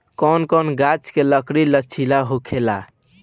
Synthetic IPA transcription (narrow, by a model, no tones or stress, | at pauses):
kɔnkɔnɡat͡ʃkeləkɽilət͡ʃʰilaɦokʰela